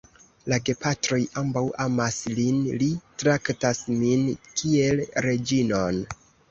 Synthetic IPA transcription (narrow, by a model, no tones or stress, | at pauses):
laɡe̞patɾo̞jambawamaslinlitɾaktasminkʰie̞lɾe̞d͡ʒino̞n